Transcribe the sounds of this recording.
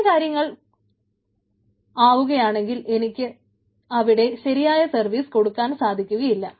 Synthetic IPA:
kaːɾjɐŋːɐɭ | aːʋuɣɐjaːɳe̞ŋɡile̞nikʲːɨ | ɐʋiɽe̞ɕɐɾijaːjɐsɐrʋiːsko̞ɽukːaːnsaːd̪ʱikʲːuɣɐjilːɐ

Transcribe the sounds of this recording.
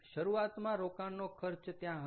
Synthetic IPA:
ʃəɾuat̪mãɾokanːokʰəɾt͡ʃt̪jãɦə

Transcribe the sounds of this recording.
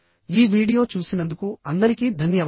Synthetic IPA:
iːʋiːɽijo̞ːt͡ʃuːsinɐnd̪ukuɐnd̪ɐɾikid̪ʱɐnjɐʋ

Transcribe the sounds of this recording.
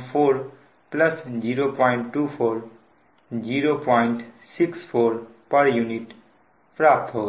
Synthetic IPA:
pʰoɾ | plʌsd͡ʒiɾopɔjɳʈːupʰoɾ | d͡ʒiɾopɔjɳʈsikspʰoɾpəɾjuniʈ | pɾap̚t̪ɦo

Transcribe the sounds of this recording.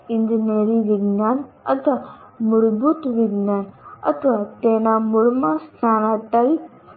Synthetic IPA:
ɪ̃nd͡ʒineːɾiʋiɡnaːnɐt̪ʰa | mʊɽbuːt̪ʋɪɡnaːnɐ̰t̪ʰʋat̪ẽːnãmʊɽmãstaːnaʈ̪aɾi

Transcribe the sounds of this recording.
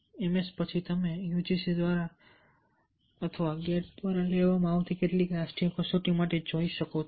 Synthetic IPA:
emespət͡ʃʰit̪əmejud͡ʒisid̪ʋaɾa | ət̪ʰəʋaɡeʈ̚d̪ʋaɾaleʋamãaʋt̪ʰikeʈlikɾasʈikosoʈĩmaʈed͡ʒoiʃəko

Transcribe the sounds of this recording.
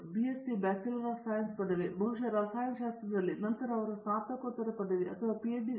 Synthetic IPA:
biesibaːt͡ʃɐlɾɐsaːjɐnspɐɖɐʋebʱɐɦuʂɐɾɐsaːjɐnʃaːst̪ɾɐd̪ɐlːinɐnt̪ɐɾɐːʋɐɾɐst̪aːt̪ɐkot̪ːɐɾɐpɐɖ̪ɐʋeʔɐt̪ʰɐʋaːpieɖi

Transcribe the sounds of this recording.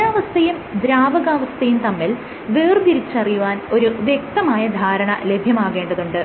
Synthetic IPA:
aːʋɐst̪ʰɐjumd̪ɾaːʋɐɣaːʋɐst̪ʰɐjumt̪ɐmːil | ʋeːrd̪iɾit͡ɕːɐrijuʋaːno̞ɾuʋjek̚t̪ɐmaːjɐd̪ʱaːɾɐɳɐ̰le̞bʱjɐmaːɣe̞ːɳɖɐðuɳɖɨ

